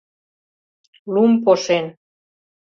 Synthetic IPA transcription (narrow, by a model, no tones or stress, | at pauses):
lumpoʃen